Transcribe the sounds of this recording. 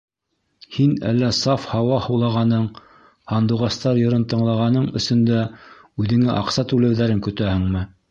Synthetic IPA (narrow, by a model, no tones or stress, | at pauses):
hinæ̰lːæsɑfhɑwɑhɤ̆wlˠɑʁɑnɤɴ | hɑnd̪uʁɑst̪ɑɾjɤ̆ɾɤnt̪ɤ̆ɴlˠɑʁɑnɤɴɵ̆sɵ̆nd̪æ | ʉðɘ̆ŋɘʔɑqsɑt̪ʉlæwðæɾɘŋkɵ̆t̪æhɘ̆ŋmɘ